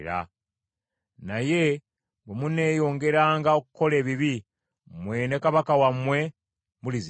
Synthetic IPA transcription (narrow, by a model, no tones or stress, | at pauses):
ɾa̰ | naje̞ | bemune̞ːjo̞ːŋɡe̞ɾaːŋɡaokuko̞le̞ːβiβi | mwe̞nekaβakawamwe̞ | muliz